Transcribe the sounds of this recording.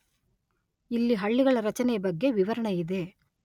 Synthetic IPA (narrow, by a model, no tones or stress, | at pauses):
ilːiɦɐɭːiɡɐɭɐɾɐt͡ʃɐnɛjɐbɐɡːe̞ʋiʋɐɾɐɳɐid̪e̞